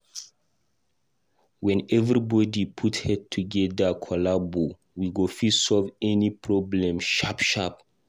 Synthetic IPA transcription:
wɛ̃nɛvɹibɔdipʰuthɛd̚tʰuɡɛdakʰɔlabo | wiɡofisɔlvɛnipʰɹɔblɛ̃mʃapʃap

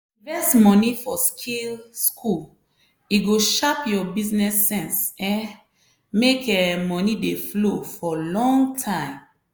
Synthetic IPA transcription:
vɛsmɔnifɔskʰilskʰul | iɡoʃapjɔbiznɛsːɛ̃nsɛ̃ | mekɛmɔnideflofɔlɔ̃ŋɡtʰãɪ̃m

